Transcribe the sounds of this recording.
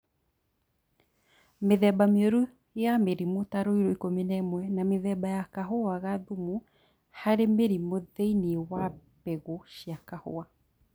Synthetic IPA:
meðɛbameɔɾu | jameɾimotaɾoiɾoikomenaemwɛnameðɛbajakaɦoaɣaðumu | haɾemeɾimoðeiniwapɛɣoɕiakaho̰a

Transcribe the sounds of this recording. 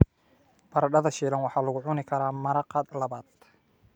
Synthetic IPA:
b̥ɐɾɐɖɐðɐʃiːlɐnwɑħɑːlɐɣʊʕʊnɪkʰɐɾaːmɐɾɐqɑlɐβaːd̪

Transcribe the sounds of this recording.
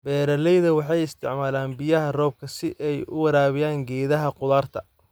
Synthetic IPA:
bɛːɾɐlɛjðɐwɑħɑjɪst̪ʰɪ̰ʕmaːlaːnbɪjɐɦɐrɔːb̚kʰɐsɪʔɛjʊ̰wɐɾaːβɪjaːŋɡɛːðɐɦɐqʊðaːrt̪ʰɐ

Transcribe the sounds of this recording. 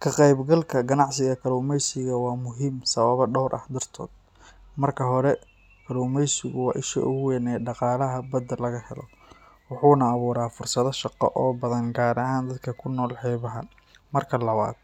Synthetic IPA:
kʰɐqɛjbɡɐlkʰɐɡɐnɑʕsɪɣɐkʰɐɾuːmɛjsɪɣɐwɑːmʊɦimsɐβɐβɐɖɔwɾʔɐ̰hd̪ɐrt̪ʰɔ̰ːd̪̚ | mɐrkʰɐɦɔɾɛ | kʰɐɾuːmɛjsɪɣʊwɑ̰ːʔɪʃɛ̰ʔʊɣʊwɛːnɛːɖɑqɑːlɐɦɐbɐd̪ːɐlɐɣɐhɛlɔ̰ | wɑħuːnɐːβuːɾaːfʊrsɐðɐʃɑqɔ̰ʔɔːbɐðɐnɡaːɾɐɦaːnd̪ɐd̪kʰɐkʰʊnːɔːlħɛːβɐɦɐ̰ | mɐrkʰɐlɐβa̰ːd̪̥̚

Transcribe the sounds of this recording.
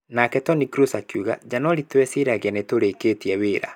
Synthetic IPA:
nakɛtɔnikɾusakuɣa̰d͡ʒanɔɾitwɛsiɾaɣeɛnetoɾeketiɛweɾa̰

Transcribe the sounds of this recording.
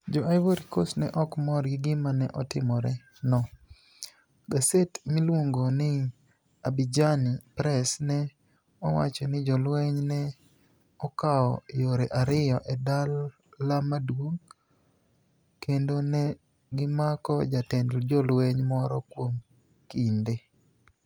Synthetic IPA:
d͡ʒɔajvoɾikosnɛʔɔkmɔɾɡɪɡɪmanɛ̰ʔɔtɪmɔɾɛ | nɔ | ɡasetmɪlwoŋɡonɪ | abid͡ʒanipɾɛsnɛ | ɔwa̰t͡ʃɔnɪd͡ʒɔlwɛɲnɛ | ɔkaɔjoɾeʔaɾɪjɔʔɛdalː | amadwoŋ | kʰendonɛ | ɡɪmakɔd͡ʒatɛndld͡ʒɔlweɲmɔɾɔkwom | kinde

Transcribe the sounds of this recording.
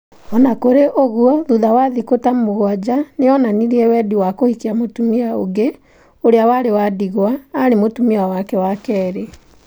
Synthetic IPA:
ɔnakoɾeʔoɣuɔðuðawaðikotamoɣwad͡ʑaneɔnaniɾiɛwɛːdiwakohikiamotumiao̰ɡe | oɾeawaɾewadiɣwaːɾemotumiawakɛwakɛɾe

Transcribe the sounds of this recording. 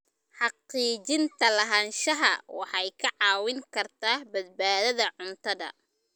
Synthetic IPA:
ħɑqiːt͡ʃɪnt̪ʰɐlɐɦaːnʃɐɦɐ̰wɑħɑjkʰɐʕɑːwɪŋkʰɐrt̪ʰaːhbɐd̪̚baːðɐðɐʕʊnt̪ʰɐðɐ̰

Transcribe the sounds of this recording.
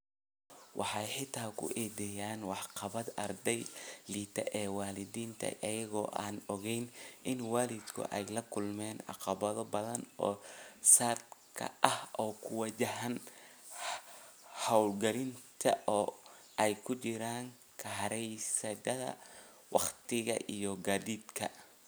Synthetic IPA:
wʔɑħɑjħɪt̪ʰaːkʰʊ̰ʔɛːd̪ɛjaːnwɑħqɑβɐd̪ɐrd̪ɛjliːt̪ʰɐʔɛːwɑːlɪðiːnt̪ʰɐ̰ʔɐjɐɣɔ̰ːʔaːnɔɣɛjnʔɪnwaːlɪd̪kʰʊ̰ʔɛjlɐkʰʊlmɛːnɑ̰qɑβɐðɔbɐðɐnɔ̰ːsaːd̪kʰɐ̰ʔɐhʔɔːkʰʊwɐt͡ʃɐɦɐn | hɐwlɡɐlɪnt̪ʰɐʔɔːʔɛjkʰʊt͡ʃɪɾaːŋ | kʰɐɦɐɾɛjsɐd̪ɐðɐ̰ | wɑχt̪ʰɪɣɐ̰ʔijɔɡaːðiːd̪kʰɐ̰

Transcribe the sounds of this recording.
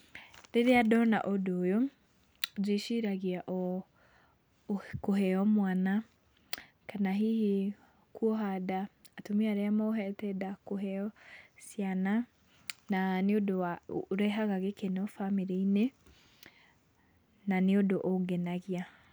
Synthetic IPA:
ɾeɾeadɔna̰ʔodoːjo | zeʃiɾaɣiaʔɔ | koɦɛɔmwana | kanaɦihe | kuɔɦadaːtomiaɾeamɔoɦɛtɛdakoɦɛɔsjana | naneodowaɾɛɦaɣaɣekenɔfamiɾeine | naneodoʔɔɡɛnaɣia

